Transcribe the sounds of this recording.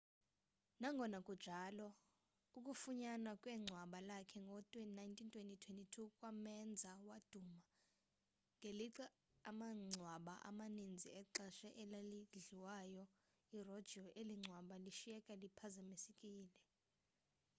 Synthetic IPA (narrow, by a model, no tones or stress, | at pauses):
naŋɡʱɔnakʼud̥ʒ̥ʱaːlɔ | uk̬ʼufuɲanwakʼwɛŋ͡ǀʱwaɓalakʰɛŋɡʱɔtʼwɛnaintʰʼintʰwentʼitʰwentʼitʰukʼwamɛnd͡zʱawad̥ʱuma | ŋeliǀa | amaŋ͡ǀʱwaɓaʔa̰manind͡zʱiɛǃaʃɛʔɛlaliɮiwajɔ | irɔd̥ʒ̥ʱiɔʔeliŋ͡ǀʱwaɓaliʃijɛkʼalipʰazamisikʼiːlɛ